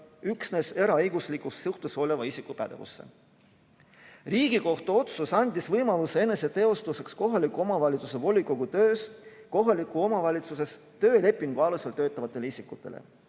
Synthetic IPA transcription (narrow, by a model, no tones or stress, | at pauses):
yksne̞se̞ɾɑɤjɡ̥uslikust̪suht̪uso̞le̞vɑisikˑupæd̪̥e̞̰vṵsːe̞̰ | riːɡ̥iko̞ht̪uo̞t̪susɑnʲd̪isvɤjmɑlusee̞ne̞se̞t̪e̞o̞st̪use̞ksko̞ɦɑlikːˑuo̞mɑvɑlʲit̪su̥s̬e̞vo̞lʲːikˑoɡ̥ut̪ø̞ːsko̞ɦɑlikːˑuo̞mɑvɑlʲit̪suse̞s | t̪ø̞ːle̞pːˑiŋɡ̥uɑluselt̪øːt̪ˑːɑvɑt̪ːˑe̞leisikːˑut̪ːˑe̞lḛ